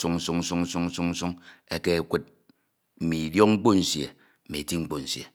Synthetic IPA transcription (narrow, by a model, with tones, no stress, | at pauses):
su˦ŋn̩˦su˦ŋ̩˦su˦ŋn̩˦su˦ŋn̩˦su˦ŋn̩˦su˦ŋe˦ke˦˨kʷe˦t̚ | m̩˨mi˨djo˦k̚ŋ͡m̩˦k͡po˦n̩˨sjḛ˨ | m̩˨mi˨ti˦ŋ͡m̩˦k͡po˨n̩˨sjḛ˨